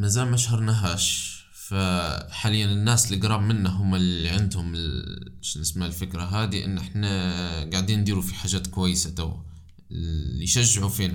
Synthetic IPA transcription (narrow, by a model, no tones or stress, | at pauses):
mazaːlmaʃhɑɾˤnaɦaːʃ | faħaːlɪjːanɪnːaːslɪɡɾˤɑːbmɪnːaɦʊmːalːiʕɪnd̪hʊmɪ | ʃnɪsmalfɪkɾaɦaːd̪iʔɪ̰nːʔɪħnaɡaʕd̪iːnːd̪iːɾufiħaːʒaːt̪kʊwajːɪsat̪aw | lːiʃaʒːɪʕufiːna